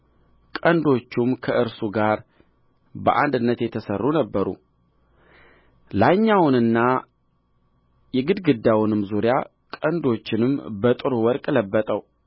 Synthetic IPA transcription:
kʼənd̪o̞t͡ʃːumkʰəʔɨɾsuɡaɾ | bəʔa̰nd̪ɨnːət̪jɛt̪ʰəsərːunəbːəɾṵ | laɲːawʊnɨnːa | jɛɡɨd̪ɡɨd̪ːawʊnɨmzuɾija | kʼənd̪o̞t͡ʃːɪnɨmːbət̪ʼɨɾuwɔɾkʼləbːət̪ʼəw

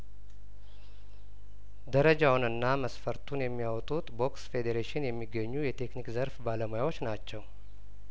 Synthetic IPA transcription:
d̪əɾəd͡ʒawnɨnːaməsfəɾt̪ʰunjɛmːijawt̪ʼut̪bo̞ksfe̞d̪eɾeʃɪnjɛmːiɡːəɲːujɛt̪ʰe̞knikzəɾfbaləmojawo̞t͡ʃːnat͡ʃːɛw

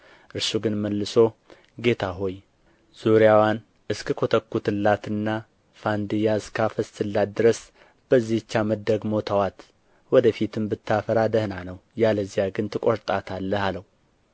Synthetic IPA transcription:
ʔɨɾsuɡɨnməlːɨso̞ | ɡe̞t̪ʰaɦo̞j | z̥uɾijawan | ɨskʰɨkʰot̪ʰəkːut̪ɨlːat̪ɨnːa | fand̪ɨjaɨskʰafəst̪ɨlːat̪̚d̪ɨɾəs | b̥əzːihɨt͡ʃːaməd̪əɡmo̞t̪ʰawat̪ | wɔd̪əfit̪ʰɨmbɨt̪ːafəɾad̪əhnanəwjaləzːijaɡɨnt̪ʰɨkʼoɾt̪ʼat̪ʰalːəhaləhu

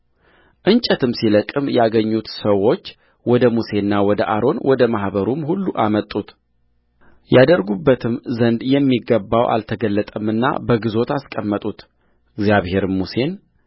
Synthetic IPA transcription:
ʔɨnt͡ʃʼət̪ʰɨmsiləkʼːɨmjaɡəɲːut̪səwːo̞t͡ʃː | wɔd̪əmuse̞nːawɔd̪əʔaɾo̞nwʔɔd̪əmahbəɾumhulːuʔamət̪ʼːut̪ | jad̪əɾɡubːət̪ʰɨmzənd̪jɛmːiɡːəbːawʔa̰lt̪ʰəɡəlːət̪ʼəmɨnːa̰bəɡɨzo̞t̪askʼəmːət̪ʼut̪ | ɨɡzjaβhe̞ɾɨmuse̞n

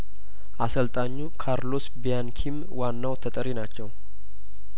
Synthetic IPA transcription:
ʔasəlt̪ʼaɲːukʰaɾlo̞sbijankʰim | wanːawt̪ʰət̪ʼəɾinat͡ʃːɛw

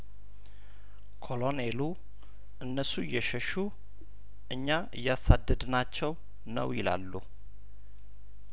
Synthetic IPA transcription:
kʰo̞lo̞nelu | ʔɨnːəsujːɛʃəʃu | ʔɨɲːaʔɨjːasad̪ːəd̪nat͡ʃːɛw | nə̰wjɪla̰lːu

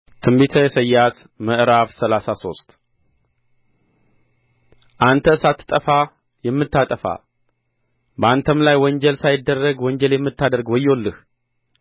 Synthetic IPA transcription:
t̪ʰɨmbet̪ʰəjɛsəjːat̪ | məʔɾafsəlasaso̞̰st̪ʼ | ʔant̪ʰəsat̪ʰːt̪ʼːəfa | jɛmːɨt̪ːat̪ʼəfa̰ | bəant̪ʰəmlajwɔɲd͡ʒɛlsajɪd̪ːərːəɡwɔɲd͡ʒɛljɛmːɨt̪ːad̪əɾɡwɔjːolːɨh

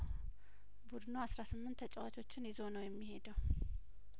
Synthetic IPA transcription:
bud̪noasɾasɨmːɨnt̪ʰːət͡ʃʼːɛwat͡ʃʰo̞t͡ʃːɪnjɪzonəwjɛmːihe̞d̪əw

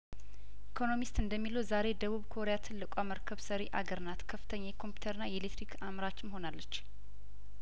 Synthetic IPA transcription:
ʔikʰo̞no̞mist̪ɨnd̪əmːiləwzaɾed̪əβuβkʰo̞ɾejat̪ʰɨlːɨkʷʼwaməɾkʰəβsəɾeʔaɡəɾɨnat̪kʰəfːɨt̪ʰəɲːajɛkʰompju̥t̪ʰəɾɨnːajɛlet̪ʰɾikʰamɾat͡ʃːɪmho̞nalːət͡ʃː

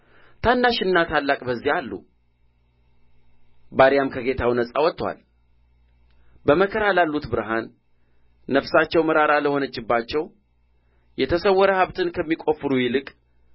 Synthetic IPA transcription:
t̪ʰanːaʃɪnːat̪ʰalːakʼbəzːihalːṵ | baɾijamkʰəɡe̞t̪ʰawnəsʼawɔt̪ʼːwa̰l | bəməkʰəɾalalːut̪bɨɾɦanː | əfsat͡ʃːɛwməɾaɾaləho̞nət͡ʃːɪbːat͡ʃːɛw | jɛt̪ʰəsəwːɔɾəhaβt̪ʰɨnkʰəmːikʼo̞fːɨɾujɪlɨkʼ

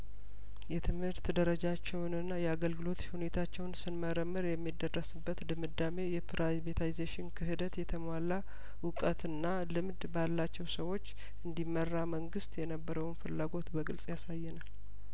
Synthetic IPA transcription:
jɛt̪ʰɨmhɨɾt̪d̪əɾəd͡ʒat͡ʃːɛwnɨnːajɛaɡəlɡɨlo̞t̪hune̞t̪ʰat͡ʃːɛwnsɨnməɾəmːɨɾjɛmːid̪ərːəsɨbːət̪d̪ɨmɨd̪ːame̞jɛpɾabet̪ʰaizeʃɪnkʰɨhɨd̪ət̪jɛt̪ʰəmala | wʊkʼət̪ɨnːa | lɨmd̪balːat͡ʃːɛwsəwo̞t͡ʃː | ʔɨnd̪imːərːaməŋɡɨst̪jɛnəbːəɾəwnfɨlːaɡo̞t̪bəɡɨlsʼjasajːɛnal

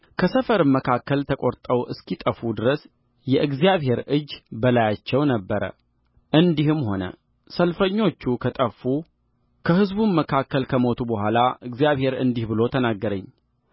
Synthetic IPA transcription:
kʰəsəfəɾɨmməkʰakːəlt̪ʰəkʼoɾt̪ʼəwʔɨskit̪ʼəfud̪ɨɾəs | jɛʔɨɡzijaβhe̞ɾɨd͡ʒːbəlajat͡ʃːɛwnəbːəɾə̰ | ʔɨnd̪ihɨmho̞nə̰ | səlfəɲːo̞t͡ʃːukʰət̪ʼəfːu | kʰəhɨzbuməkʰakːəlkʰəmo̞t̪ʰubəhʷalaʔɨɡzijaβhe̞ɾɨ̰nd̪ihbɨlo̞t̪ʰənaɡːəɾəɲː

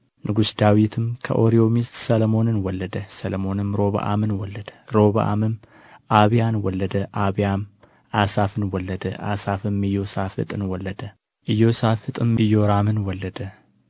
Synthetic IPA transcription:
nʔɨɡusd̪awit̪ʰɨmkʰə̰ʔo̞ɾio̞mist̪səlmo̞nɨnwɔlːəd̪əsəlmo̞nɨmɾo̞βa̰ʔa̰mɨnwɔlːəd̪̥əɾo̞βa̰ʔa̰mɨm | ʔaβjanwɔlːəd̪əʔaβijam | ʔasafɨnwɔlːəd̪əʔasafɨmːɨjːo̞safɨ̰t̪ʼɨnwɔlːəd̪ə | ʔɨjːo̞safɨt̪ʼɨmɨjoɾamɨnwɔlːəd̪ə

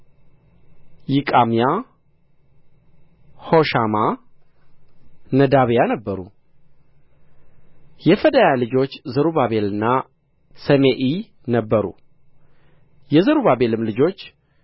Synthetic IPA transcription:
jɪkʼamija | hoʃama | nəd̪aβjanəbːəɾu | jɛfəd̪ajalɨd͡ʒo̞t͡ʃːzəɾuβaβe̞lɨnːa | səmeʔi | nəbːəɾṵ | jɛzəɾuβabe̞lɨmlɨd͡ʒo̞t͡ʃː

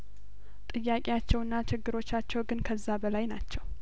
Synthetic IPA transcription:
t̪ʼɨjːakʼijat͡ʃːɛwɨnːat͡ʃɪɡːɨɾo̞t͡ʃːat͡ʃːɛwɡɨnkʰəzːabəlajnat͡ʃːɛw

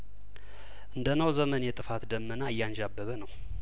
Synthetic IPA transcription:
ʔɨnd̪ənəwzəmənjɛt̪ʼɨfat̪d̪əmːənaɨjːanʒabːəβənəw

